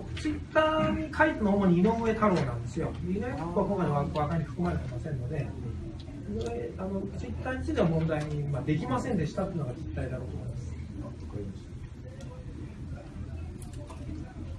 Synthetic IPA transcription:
t͡sɨit̪ːaːɲ̟ikʰait̪enoːmo̞ɲ̟iːno̞mɯe̞t̪ʰaɾoːnãnd̪e̞sɨjo̞d̪einoek̪akoakoŋkaiβakoβakaiɸɯ̟̥kɯ̟maɾet̪e̞masẽ̞nːo̞d̪e̞ | inoeano̞t͡sɨit̪ːaːɲʲisɨid̪e̞βamõ̞nd̪aiɲ̟imad̪e̞k̬ʲimasẽ̞nd̪e̞ɕi̥t̪at̪eɯ̟no̞ɡat͡sit̪ːaid̪aɾo̞ːt̪omommmaskɯimaso

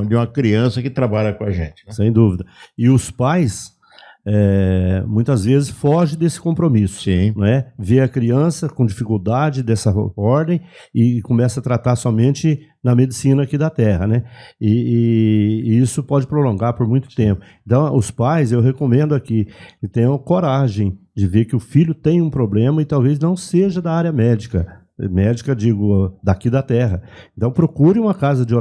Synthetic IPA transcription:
d͡ʒɪũmɐkɾiɐ̃sɐkɪt̪ɾabaʎɐkõɐʒḛ̃t͡ʃɪ̥ɛsẽj̃d̪uvid̪ɐɪʊspajs | ɛmũj̃t̪ɐzvezɪsfɔʒɪ̃d̪esɪ̥kõpɾomisʊ̥sĩñɛveɐkɾiɐ̃sɐkõd͡ʒifikuwd̪ad͡ʒɪd̪ɛsɐɔɾd̪ẽj̃ | ɪkõmɛsɐt̪ɾat̪aɾsɔmẽnt͡ʃɪ | nɐmed͡ʒɪsĩnɐakid̪ɐt̪ɛɦɐnɛɪː | isʊpɔd͡ʒɪpɾolõŋɡaɾpoɾmũj̃t̪ʊ̥t̪ẽmpʊẽnt̪ɐ̃w̃ʊ̰spajzewɦekomẽnd̪ʊakikɪt̪ẽj̃ʊɐkoɾaʒẽj̃ | d͡ʒɪveɾkɪʊfiʎʊt̪ẽj̃ũpɾoblẽmɐɪt̪awveznɐ̃w̃seʒɐd̪ɐaɾjɐmɛd͡ʒikɐ | mɛd͡ʒikɐd͡ʒiɡʊd̪akid̪ɐt̪ɛɦɐẽnt̪ɐ̃w̃pɾokuɾɪ̃ũmɐkazɐd͡ʒɪo

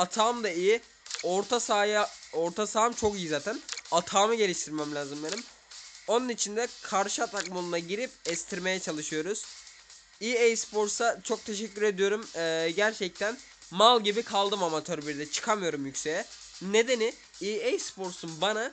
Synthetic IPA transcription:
at̪ʰaːmd̪aiji | oɾt̪ʰasaːjao̞ɾt̪ʰasaːmt͡ʃʰo̞kijizaːt̪ʰænat̪ʰaːmɯɟe̞lʲiʃt̪ʰiɾmɛmlʲaːzɯmbenim | o̞nunit͡ʃʰind̪ɛkʰaɾʃɯat̪ʰakmolˠunaɟiɾipɛst̪ʰiɾme̞jɛt͡ʃʰalˠɯʃɯjo̞ɾuz̥ | iejspo̞ɾsat͡ʃʰo̞k̚t̪ʰe̞ʃɛcʲːyɾe̞d̪ijo̞ɾumɯːɟæɾt͡ʃʰɛc̚t̪ʰæn | malˠɟibikʰalˠd̪ɯmamat̪ʰøɾbiɾd̪ɛt͡ʃʰɯ̥kʰamɯjo̞ɾumjycʲse̞jɛ | ne̞d̪e̞ni | iejspo̞ɾsunbana

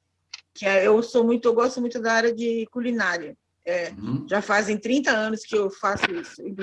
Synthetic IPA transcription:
kɪɛewsomũj̃t̪ʊewɡɔst̪ʊmũj̃t̪ʊd̪ɐaɾjɐd͡ʒɪkulinaɾiɐ | ɛʒafazẽj̃t̪ɾĩnt̪ɐɐ̃nʊskɪewfasʊisʊĩ

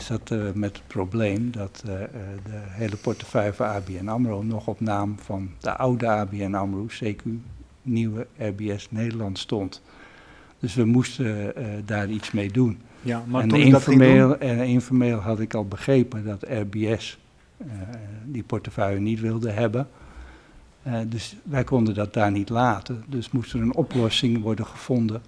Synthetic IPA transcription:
sɑtmɛtə̥t̚probleːmdɔtdəɦeːləpɔɹtəfœjəfɔnaːbiɛnamronɔxɔpnaːmfɔndə̰ʔawdəaːbiɛnɑməroseːkəy | niwəɛrbiɛsneːdəlɑntstɔnt | d̥øsʋəmustədaːritsmejdun | ɛnflɪnfɔɹmeːlˠɦɑtɪkɔlˠbəχreːpədɔtɛrbiɛs | dipɔɹtəfœɥənitʋɪlˠdəɦɛbə | døsʋɛjkɔndəndɔt̚daːɹnitlaːtədøsmustərənɔplɔsɪŋʋɔɹdəχəfɔndə

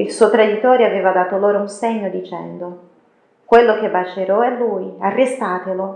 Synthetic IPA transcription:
ilsujt̪ɾad̪it̪ːoːɾeaveːvad̪aːt̪oloːɾounseɲːod̪it͡ʃɛ̰nd̪o | kwelːok̟ebːat͡ʃeɾɔɛlːujarːest̪aːt̪elo

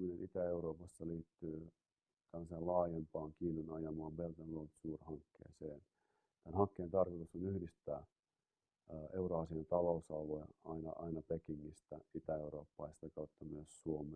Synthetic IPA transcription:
minenʔit̪æeuroːpɑsːɑliːt̪ːyː | t̪ælːæseːlɑːjempɑːŋkiːnunɑjɑmɑːmbelt̪ɑnlolt̪suːrhɑŋkːḛːseːn | t̪ænhɑŋkːeːnt̪ɑrkot̪usonyhdist̪æ̰ː | euroɑsient̪ɑlousɑloeɑinɑ̰ʔɑinɑpekiŋːist̪æit̪æeuɾo̰ːpːɑːˑst̪ækɑut̪ːɑmyøssuome

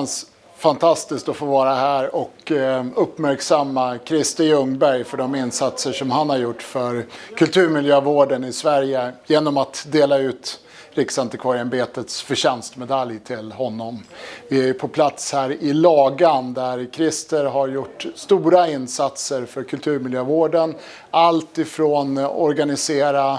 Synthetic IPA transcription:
ns | fant̪ʰast̪ɪskt̪ɔfoːvɑːɾaɦæːɾɔkɵpːmæɾksamːakʰɾɪst̪əɵŋbæɾjfœɖɔmɪnsat̪səʂɔmhanhaɾjʊʈːfœɾkʰɵlt̪ʰʉːɾmɪljøːvoːɖənɪsvæɾjəjeːnɔmat̪d̪eːlaʉ̟ːt̪ | ɾɪksant̪ɪkʰvaɾɛnbeːt̪ət̪sfœɕɛnst̪mɛd̪aljt̪ʰɪlɦɔnːɔmvɪæjɵpʰɔpʰlat̪shæːɾɪlɑːɡand̪æɾkʰɾɪst̪əɾɦaɾjʊʈːst̪uːɾaɪnsat̪səɾfœɾkʰɵlt̪ʰʉːɾmɪljøːvoːɖən | alt̪ɪfɾoːnɔ̰ɾɡanɪseːɾa

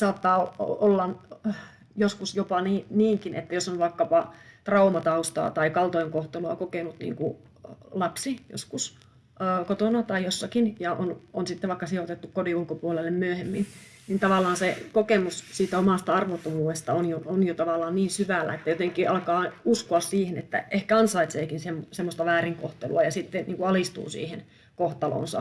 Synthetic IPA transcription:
sɑːt̪ːɑːolːɑn | joskusjopɑniːniːŋkinʔḛt̪ːæjosonʋɑikːɑpɑt̪rɑumɑt̪ɑust̪ɑ̰ːt̪ɑikɑlt̪oiŋkoht̪eloɑkokenut̪nḭːŋku | lɑpsijo̰skusː | kot̪onɑt̪ɑijosːɑkinjɑʔononsit̪ːeʋɑˑikːɑsiot̪et̪ːukkodiulkopuolelːemmyøhemːin | nint̪ɑʋɑlːˑɑːnsekokemussiːt̪æomɑˑst̪ɑɑrʋot̪ːomuːest̪ɑonjoonjot̪ɑʋɑlːˑɑːnniːnsyʋælːæ̰et̪ːæjot̪eŋkiʔɑlkɑːuskoɑssiːhenḛt̪ːæ̰ehkæɑnsɑit̪seːkinsemːsemːost̪ɑʋæːriŋko̰ht̪ḛlṵɑjɑsit̪ːennʔiːŋkuɑlist̪ṵːsḭːhen | koht̪ɑlo̰ːnsɑ̰

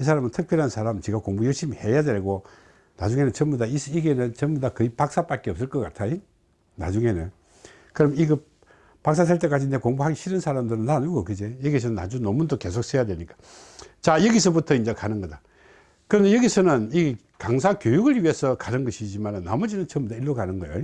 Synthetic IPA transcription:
is̬ʰaɾamɯntʰɯk̚pʰjʌɾɦansʰaɾamt͡ɕiɡakoŋbujʌɭɕimihejadeɭɡo | na̰d͡ʑuŋe̞nɯnt͡ɕʌmudaisiɡe̞nɯnt͡ɕʌŋmudakɯipak̚s͈ap͈at̚k͈eʌp̚s̬͈ɯɭk͈ʌk͈atʰaji | na̰d͡ʑuŋe̞nɯn | kɯɾʌmiɡɯ | pak̚s̬͈as̬ʰeɭt̬͈e̞k͈ad͡ʑinde̞koŋbuɦaɡiɕʰiɾɯnsʰaɾamdɯɾɯnːanɯɡokɯd͡ʑejʌɡis̬ʰʌnnːa̰d͡ʑunomundoke̞sʰok̚s͈ʰejadweɭɲik͈ḁ | t͡ɕajʌɡisʰʌbutʰʌind͡ʑekanɯnɡʌda | kɯɾʌnejʌɡisʰʌnɯni | kaŋs̬ʰakjojuɡɯɾɥiɦesʰʌkanɯnɡʌɕʰid͡ʑimanɯnːa̰mʌd͡ʑinɯnt͡ɕʌmbud̪aiɭːokanɯnɡʌjo

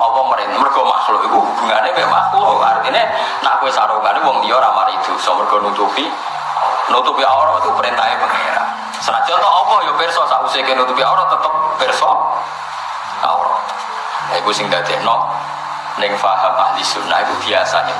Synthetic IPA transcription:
ɔpɔməɾɪnmərɡ̥ɔma̰sulokikub̥uŋanebɛma̰suart̪ine | naʔkuwesaɾukaniwɔŋt̪ijɔɾamaɾid̪usɔmərɡ̥ɔnut̪upi | nut̪upiaoɾɔt̪upəɾent̪aebə̤ŋḛɾa̰ | səɾad͡ʒɔt̪ɔʔːpɔjopɪrsɔsaʔusekenut̪upiauɾɔt̪ət̪əp̚pɪrsɔ | a̰ṵɾɔ̰ | aikusɪŋd̪ad̪̥ɛnɔʔ̚ | nɪŋfaɦəmahd̪isuna̰ikub̥iasaɲe

